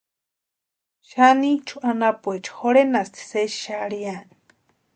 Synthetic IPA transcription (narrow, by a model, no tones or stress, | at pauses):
ʃanit͡ʃʰuʔanapuet͡ʃʰu̥xoɾenast̪ʰi̥seʃʃaɽian